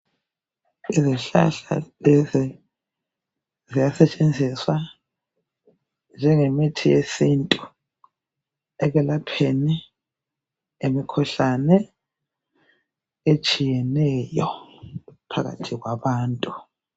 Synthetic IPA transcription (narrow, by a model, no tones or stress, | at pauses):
iziɬa̰ɬa̰lɛzɛ | zijasɛt͡ʃʼend͡zʱiswa | nd͡ʒʱɛŋemitʰijesintʼu | ɛɣɛlapʰeni | emikʰɔɬanɛ | et͡ʃʼijɛnɛjɔ | pʰaɣa̰tʰiɣwaβaːntʼu̥